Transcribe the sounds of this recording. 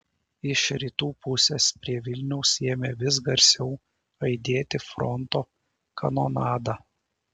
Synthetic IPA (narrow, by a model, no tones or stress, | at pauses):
ɪʃɾʲit̪uːpʊsʲeːspʲɾʲiɛʋʲɪlʲnʲɛʊseːmʲeːʋʲɪsɡɐɾʲsʲɛʊ | ɐɪd̪ʲeːt̪ʲɪfɾɔ̰nt̪oː | kʰɐnoːnɑːd̪ɑː